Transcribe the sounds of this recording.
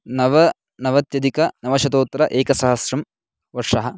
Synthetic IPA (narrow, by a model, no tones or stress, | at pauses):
nɐʋɐ | nɐʋɐt̪jɐd̪ikɐnɐʋɐʃɐt̪oːt̪ːɾɐʔeːkɐsɐɦɐsɾɐm | ʋɐɾʂɐɦɐ